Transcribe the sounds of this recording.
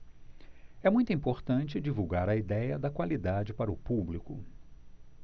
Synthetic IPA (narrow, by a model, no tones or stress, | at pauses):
ɛmũj̃t̪ʊĩpoɾt̪ɐ̃t͡ʃɪd͡ʒivuwɡaɾɐid̪ɛjɐd̪ɐkwalid̪ad͡ʒɪpaɾɐʊpublikʊ̰